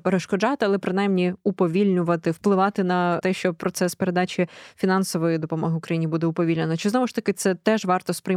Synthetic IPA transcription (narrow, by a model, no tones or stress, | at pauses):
peɾeʃkɔd͡ʒɑt̪ɪɐlˠɛpɾɪn̪ɑjmnʲiʊpɔʋʲilʲnʲʊʋɐt̪ɪwplˠɪʋɑt̪ɪnɐt̪ɛʃt͡ʃɔpɾɔt̪sɛspeɾed̪ɑt͡ʃʲifʲinɑnsɔʋɔjid̪ɔpɔmɔɦɪʊkɾɐjinʲibud̪ɛʊpɔʋʲilʲnʲenɔt͡ʃɪznɔmʊʃt̪ɐkɪt̪sɛt̪ɛʒʋɑrt̪ɔspɾɪj